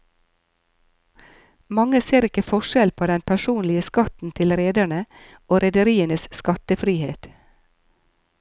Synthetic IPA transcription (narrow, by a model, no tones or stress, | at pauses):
mɑŋəseːɾɪkəfɔʃɛlpʰoːd̪ɛnpʰæʃuːnlɪəskɑt̪n̩t̪ʰɪlɾeːd̪æɳə | oːɾɛd̪əɾiːənəsskɑt̪əfɾiːheːt̪